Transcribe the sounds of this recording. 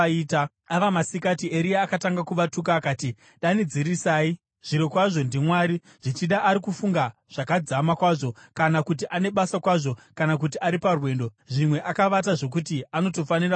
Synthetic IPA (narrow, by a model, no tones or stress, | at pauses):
iːta | aʋamasikatieɾiaːkataŋɡakuʋatukaːkaːti | ɗanid͡ziɾisaːi | ʐ̥iɾokwaʐo̞ndimwaːɾi | ʐ̥it͡ʃiɗaʔːɾikufuŋɡa | ʐ̥akad͡zamakwaʐo̞kanakut̬iʔane̞ɓasakwaʐo̞kanak̬ut̬iʔaɾiparwe̞ːndo̞ | ʐimwe̞ʔakaʋat̬aʐo̞k̬utiano̞to̞fanira